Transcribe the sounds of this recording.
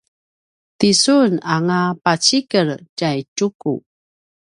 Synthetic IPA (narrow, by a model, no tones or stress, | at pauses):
tisunaŋapat͡ɕikəɾcajt͡ʃukṵ